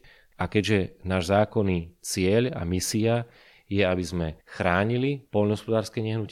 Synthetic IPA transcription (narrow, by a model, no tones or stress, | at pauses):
akɛɟʒɛnaːʒzaːkɔniːt͡sɪɛʎa̰misia | jɛabizmɛxɾaːɲilipɔʎnɔɦɔspɔd̪aːɾskɛɲɛɦnuc